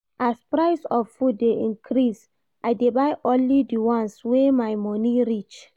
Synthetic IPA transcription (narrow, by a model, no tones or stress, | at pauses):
ʔaspɹaɪsɔffudːeʔĩnkʰɾis | ʔajdebajʔɔ̃nlidiwɔ̃nswemajmɔniɹit͡ʃ